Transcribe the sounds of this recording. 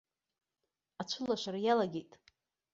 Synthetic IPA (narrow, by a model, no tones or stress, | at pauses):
at͡ʃʷʰʊlaʃʷaɾajalaɡʲejtʼ